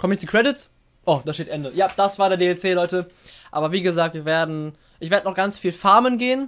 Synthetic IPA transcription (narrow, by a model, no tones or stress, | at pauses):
kʰɔmənjɛt͡ssikʁ̥ɛdɪts | ʔod̥aːʃteːtʔɛndəjaːd̥asv̥aːɐɾeːɐdeːɛlt͡seːlɔʏtəʔaːbɐviːɡəzaːk̚tviːɐveːɐdn̩ | ʔɪçveːɐdənɔχɡ̥ant͡sfiːlfaɐmənɡeːən